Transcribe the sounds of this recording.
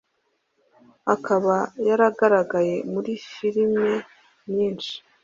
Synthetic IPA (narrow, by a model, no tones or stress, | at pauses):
akʰaβajaɾaɡaɾaɡaje̞muɾifiɾime̞ | mɲiːnt͡ʃi̥